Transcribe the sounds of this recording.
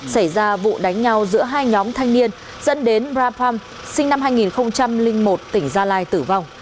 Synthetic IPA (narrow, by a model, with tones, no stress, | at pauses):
sa˧˩jzaː˧vṵ˧˨ɗa˨˦jŋ̟ɲa˧wzɨ̰˧˥əɦaː˧jɲɔ˨˦mt̪ʰa˧jŋ̟ni˧ən | zə̰˧˥nɗe˨˦nbzaː˧pʰa˧m | sï˧ŋ̟na˧mɦaː˧jŋi˨˩nxə˧wŋ͡mt͡ɕa˧mlï˧ŋ̟mo˨˩t̚t̪ï˧˩ŋ̟zaː˧laː˧jt̪ɨ˧˩va˧wŋ͡m